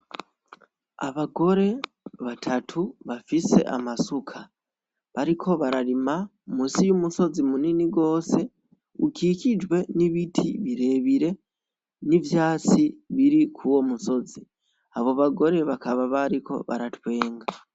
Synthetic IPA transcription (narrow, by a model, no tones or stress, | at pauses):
a̰βaɡo̞ɾe̞ | βatʰatʰuβafise̞̰ʔa̰masukʰa | βaɾikʰo̞βaɾaɾima | musijumuso̞zimuniniɡo̞ːse̞ | ukicid͡ʒwe̞niβitʰḭβiɾe̞βiɾe̞ | nivjaːt͡siβiɾikʰuwo̞muso̞zi | aβo̞βaɡo̞ɾe̞βakaβaβaɾiko̞̰βa̰ɾatwe̞ːŋɡa